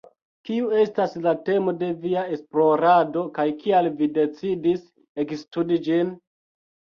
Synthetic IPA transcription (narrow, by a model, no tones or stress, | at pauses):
kiue̞staslate̞mo̞de̞viae̞splo̞ɾado̞kajkialvide̞t͡sidis | e̞kstudid͡ʒin